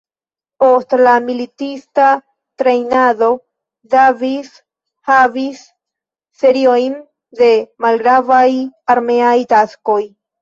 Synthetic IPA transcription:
po̞stlamilitista | t̪ɾejnado̞ | d̪avis | havisː | e̞ɾiojn | d̪e̞malɡɾavajaɾme̞ajt̪asko̞j

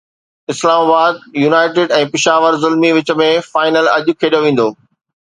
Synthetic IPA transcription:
ɪslaːmaːbaːd̪̚juːnaːɪʈɪːɖɛ̃ːpɪʃaːʋəɾzʊlmiʋɪt͡ɕə̆mẽfaːɪnəlɐʄʊkʰeːɗoʋĩːn̆d̪oː

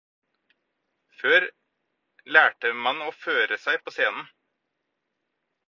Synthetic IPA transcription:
føːɾ | læːʈəmɑnoːføːɾəsæɪpʰoːseːnn̩

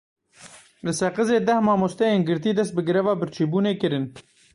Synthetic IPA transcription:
lɨsɛqɨzeːd̪ɛhmɑːmoːst̪ɛjeːnɡɨɾt̪iːd̪ɛst̪̚bɨɡɾɛvɑːbɨɾt͡ʃʰiːbuːneːkɨɾɨn

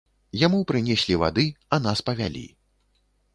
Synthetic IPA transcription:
jamupɾɨnʲesʲlʲiva̰d̪ɨɐn̪aspɐvʲalʲḭ

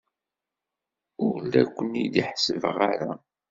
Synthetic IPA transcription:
ʊɾlækʷːənid̪iħsəvəʁaɾa

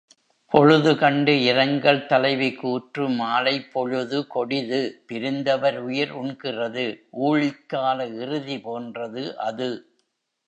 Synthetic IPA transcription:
pɔɻɯðɯkɐɳɖɯɪɾɐŋɡɐɭt̪ɐlɐɪʋɪkːuːʈrɯmaːlɐɪpːɔɻɯðɯkɔɽɪðɯpɪɾɯnd̪ɐʋɐɾʊjɐɾʊɳkɪrɐðɯʔuːɻɪkːaːlɐɪrɯðipoːndrɐðɯʔɐðɯ

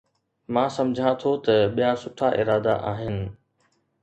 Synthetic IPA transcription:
mãːsɐ̃md͡ʑʱãt̪ʰot̪ɐɓijasʊʈʰaʔɪɾaːd̪a̰ʔaːɦɪnɪ̆

